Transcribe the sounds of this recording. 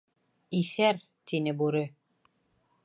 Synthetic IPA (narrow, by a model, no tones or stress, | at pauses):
iθæɾ | t̪inɘbuɾɘ